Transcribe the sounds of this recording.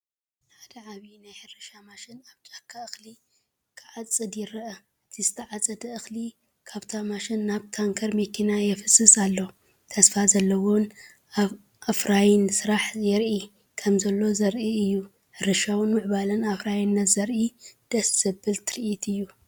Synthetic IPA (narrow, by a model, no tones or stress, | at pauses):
ħad̪ɐʕaβinajħɨrɨʃamaʃɪnaβt͡ʃʼakʰːaɨxli | kʰɨʕat͡sʼɨd̪jɪɾɐʔɐ | ʔɨt̪ʰizɨt̪ʰɐʕat͡sʼɐd̪ɐɨxli | kʰaβt̪ʰamaʃɪnːaβt̪ʰaŋkʰɐɾmɐkʰinajɛfɨsʼɨsʼalːo | t̪ʰɐsfazɐlːɐwo̞n | aβ | ʔafɾajɪnsɨɾaħjɛɾʔi | kʰɐmzɐlːo̞zɐɾʔiɨjːu | ħɨɾɨʃawnmɨʕβalɐnafɾajinːɐt̪zɐɾʔid̪̥ɐsz̥ɐbɨlt̪ʰɨɾʔit̪ʰɨjːu